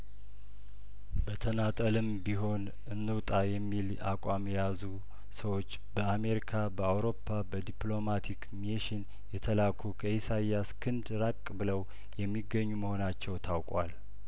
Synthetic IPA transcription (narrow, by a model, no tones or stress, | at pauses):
bət̪ʰənat̪ʼəlɨmbiɦo̞n | ɨnːɨwt̪ʼajɛmːil | a̰kʷʼamjɛjazu | səwo̞t͡ʃːbəame̞ɾikʰabəawɾo̞pːabəd̪iplo̞mat̪ʰikmeʃɪn | jɛt̪ʰəlakʰukʰəisajjaskʰɨnd̪ɾakʼbɨləw | jɛmːiɡːəɲːuməho̞nat͡ʃːɛwt̪ʰawkʼwal